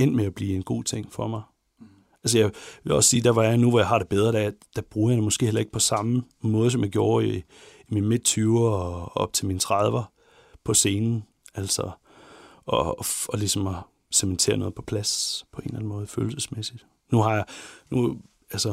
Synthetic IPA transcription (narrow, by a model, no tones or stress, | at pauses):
en̰meæb̥lḭːenɡ̥o̝̰ːt͡sʰe̝ŋ̰fɒmɑ̈ɪ | ælsəjɑ̈ʋe̝lɒ̽ssiːd̥æʋɑ̈januʋɒjɑ̈ɑ̈ɾ̥e̝b̥eð̞ˠʁɐd̥æd̥æb̥ʁuːɐjɑd̥emɒ̽sɡ̥e̝̰ːelɐe̝ɡ̥̚pʰɒ̽sɑ̈mə | mɔ̽ːð̞ˠəsɒmjɑ̈ɡ̥jo̝ːɐi | iminme̝d̥̚t͡sʰyʊɐɒb̥t͡sʰe̝lmint͡sʰʁɑðˠʋɐ | pʰɒ̽se̝ːnn̩ | æl̰sɐ | ɒ̽ɒ̽lisɒ̽mɒ | sement͡sʰe̝̰ːɐnɔ̽ːð̞̩ˠpʰɒ̥̽pʰlæspʰɒ̽e̝̰nlæn̩mɔ̽ːð̞̩ˠfø̰ːl̩səsmesid̥ | nuɦɑ̈jɑ̈nu | ælsə